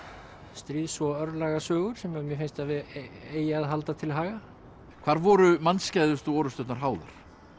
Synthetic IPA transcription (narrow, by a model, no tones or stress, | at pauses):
st̪ɾiːðsvɔœɾlaɣasœːɣʏɾ̥sɛmjamjɛfenst̪aðvɪeːjaːðɦalt̪at̪ʰɪlɦaːɣa | kʰv̥aːɾvɔɾʏmanscajðʏst̪ɔːɾʏst̪œt̪naɾ̥ɦaːwða̰ɾ̥